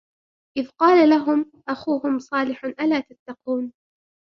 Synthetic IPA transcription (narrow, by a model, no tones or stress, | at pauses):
ʔɪðqɑːlalaɦʊm | ʔaxuːhʊmsˤɑːlɪħʊnʔalaːt̪at̪ːɑquːn